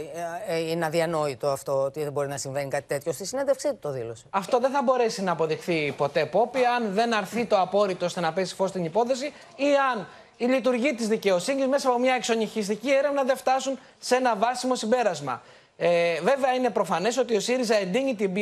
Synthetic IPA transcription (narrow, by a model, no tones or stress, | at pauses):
inɐðiɐno̞it̪o̞ɐft̪o̞ot̪iðebo̞ɾinɐsiɱvenikɐt̪i̥t̪e̞t̪çossned̪efksioðilosɐft̪o̞ðeθɐbo̞ɾe̞sinɐːpo̞ðixθipo̞t̪e̞po̞piɐnðe̞nɐɾθit̪o̞ɐpo̞ɾit̪ost̪e̞nɐpe̞si̥fo̞st̪inipo̞θe̞si | iɐn | ilit̪uɾʝit̪izðice̞o̞siɲizme̞sɐːpo̞mɲɐekso̞ɲiçis̬t̪icie̞ɾevnɐðeft̪ɐsun | se̞nɐvɐsimo̞simbe̞ɾɐzmɐ̰ | ve̞veɐine̞pɾo̞fɐne̞so̞t̪io̞siɾizɐe̞nd̪iɲit̪ibi